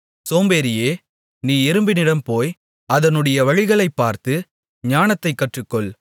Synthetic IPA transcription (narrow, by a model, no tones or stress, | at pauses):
soːmbeːɾɪjeː | niːɛɾɯmbɪnɪɽɐmpoːj | ɐðɐnɯɽɐjɐʋɐɻɪɣɐɭɐɪpːaːɾt̪ɯ | ɲaːnɐt̪ːɐɪkːɐʈrɯkːɔɭ